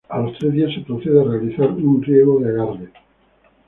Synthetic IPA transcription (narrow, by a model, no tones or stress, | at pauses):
alost̪ɾezðiasepɾoθeðearealiθaɾunrjeɣoðeaɣaɾðe